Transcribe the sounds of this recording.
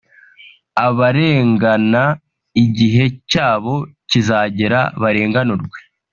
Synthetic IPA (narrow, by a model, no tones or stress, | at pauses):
aβaɾe̞ːŋɡana | iɟiɦe̞caːβo̞cizaːɟe̞ɾa̰βaɾe̞ːŋɡanoɾɡwe̞̥